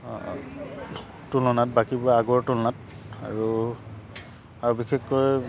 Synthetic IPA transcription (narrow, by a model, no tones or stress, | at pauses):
tulɔnat̚bakibʊaaɡɔɹtulɔnat̚ | a̰ɹu | aɹubixekːɔj